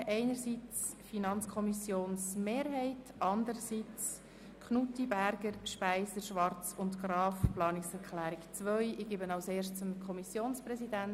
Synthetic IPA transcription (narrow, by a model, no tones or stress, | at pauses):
ʔɛɪnəɾsit͡s | finɑnt͡skʰɔmisjoːnsmeːɾɦɛɪt | ɑndəɾəsit͡s | kχnutibæɾɡ̥əɾʃpæɪsəʃʋɑɾt͡sʊntɡrɑːfplɑːnɪksɛɾkʰlæːɾikt͡sʋœʏʔɪɡ̥eːbənaʊseːɾʃtt͡səmkʰχɔmisjoːnsprɛsidæn